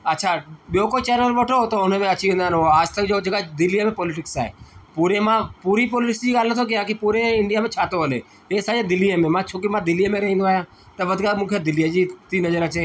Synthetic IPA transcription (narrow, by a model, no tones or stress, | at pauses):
ətːʃʰaːɓɪjoːkoːt͡ʃɛːnəlʋəʈʰot̪oʊnmẽɐt͡ʃʰiʋẽːnd̪aːnoaːd͡ʒt̪əkd͡ʒoːd͡ʒəɡad̪ɪlijəmẽpɔːlɪʈ̬ɪksaːḛpuːɾemãːpuːɾiːpɔːlɪʈɪksd͡ʒiːɡaːlnət̪ʰoːk̬ɪjãːkipuːɾeɪɳɖɪjaːmẽt͡ʃʰaːt̪oɦəlḛː | eːsaːd͡ʒẽd̪ɪlːijəmẽmãːt͡ʃʰoːk̬imãd̪ɪlijəmẽɾɐɦĩnd̪oaːɦjãː | t̪ɐʋəd̪kaːmũːkʰed̪ɪlijad͡ʒiːt̪inəzəɾat͡ʃe